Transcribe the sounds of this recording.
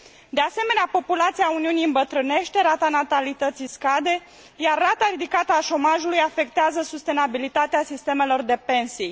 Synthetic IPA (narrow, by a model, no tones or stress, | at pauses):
d̪e̞ase̞me̞neapo̞pulat̪sijauniunijɨmbət̪ɾɨne̞ʃt̪e̞ɾat̪anat̪alit̪ət̪siskad̪e̞ | jarːat̪aɾid̪ikat̪əaʃo̞maʒulujafe̞kt̪eazəsust̪e̞nabilit̪at̪easist̪e̞me̞lo̞rd̪e̞pe̞nsij